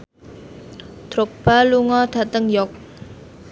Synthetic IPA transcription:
d̪̥ɾok̚b̥aluŋɔd̪̥a̤t̪əŋjɔk̚

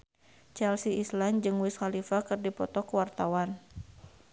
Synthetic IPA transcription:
t͡ʃalsiisland͡ʒɨŋwiskalifakɨrdipɔt̪ɔkəwart̪awan

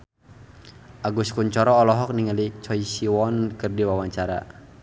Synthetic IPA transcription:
ʔaɡuskuɲt͡ʃɔɾɔːlɔɦɔk̚niŋalit͡ʃɔisiwɔnkɨrdiwawaɲt͡ʃaɾa̰

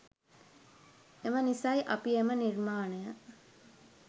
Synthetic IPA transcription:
emənisajʔɐpiemənirmaːnejə

